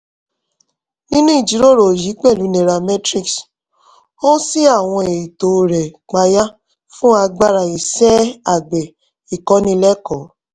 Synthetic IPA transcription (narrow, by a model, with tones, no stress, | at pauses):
nĩ˦nũ˦i˨d͡ʒi˨˦ɾo˦˨ɾo˨ji˨˦k͡pɛ˦˨lu˨˦ne˨ɾa˨mɛ˦tɾi˦˨ks | o˦si˦a˦˨w̃ɔ̃˧e˨i˨to˨ɾɛ˨k͡pa˧ja˦ | fũ˦a˧ɡ͡ba˦ɾa˨i˨sɛ˦a˨ɡ͡bɛ˨ | i˨kɔ˨˦nĩ˧lɛ˦kɔ˨˦